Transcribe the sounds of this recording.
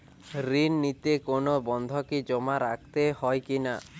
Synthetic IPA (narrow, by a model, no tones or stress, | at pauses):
ɾinːit̪ekonobɔnd̪ʱɔkid͡ʒɔmaɾak̚ʰt̪ehɔjkina